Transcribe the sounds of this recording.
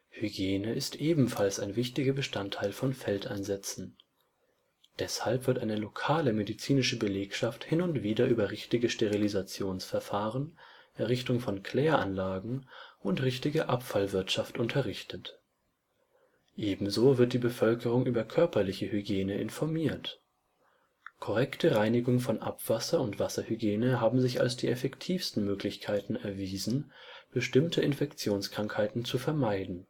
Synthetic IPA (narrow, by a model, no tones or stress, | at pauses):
hyɡjeːnəɪstʔeːbm̩falsaɪnvɪçtɪɡɐbəʃtantʰːaɪlfɔnfɛlta̰ɪnzɛt͡sn̩ | d̥ɛshalpv̥ɪɐtʔaɪnəlokʰaːləmedit͡siːnɪʃəbəleːkʃafthɪnʊntv̥iːdɐʔyːbɐʁɪçtɪɡəʃteʁilizat͡sjoːnsfɛɐfaːʁən | ʔɛɐʁɪçtʊŋfɔnkʰl̥ɛːɐʔanlaːɡŋ̩ʔʊntʁɪçtɪɡəʔapfalvɪɐtʃaftʔʊntʰɐʁɪçtʰət | ʔeːbm̩zoːvɪɐt̚d̥iːbəfœlkəʁʊŋʔyːbɐkʰœɐpɐlɪçəhyɡeːnəʔɪ̰nfɔɐmiːɐt | kʰɔʁɛktʰəʁaɪnɪɡʊŋfɔnʔa̰pv̥asɐʊntv̥asɐhyɡjeːnəɦaːbm̩zɪça̰lsd̥iːʔɛfɛktʰiːfstn̩møːklɪçkʰaɪtn̩ɛɐviːzn̩ | b̥əʃtɪmtʰəɪnfɛkt͡sjoːnskʁ̥aŋkhaɪtn̩t͡sufɛɐmaɪdn̩